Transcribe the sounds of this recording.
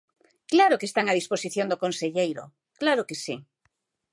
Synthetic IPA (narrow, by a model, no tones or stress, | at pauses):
klaɾokest̪aŋað̞isposiθjond̪okõnseʎejɾo̰ | klaɾokesḭ